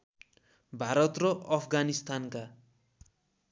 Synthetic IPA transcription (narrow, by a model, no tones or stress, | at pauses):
bʱaɾʌt̪rʌʔʌpʰɡanist̪anka